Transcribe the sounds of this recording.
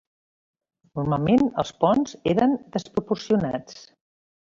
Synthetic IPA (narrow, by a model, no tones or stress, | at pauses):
nurmalˠmenə̰lˠspɔnzeɾənd̪əspɾupursiuna̰t͡s